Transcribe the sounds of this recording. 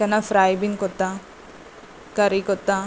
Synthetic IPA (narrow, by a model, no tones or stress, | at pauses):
ɐnafɾaːjbinkot̪a | kɐɾikot̪a